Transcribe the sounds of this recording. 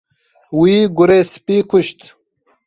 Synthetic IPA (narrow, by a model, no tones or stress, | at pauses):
wiːɡuɾespiːkʰuʃt̪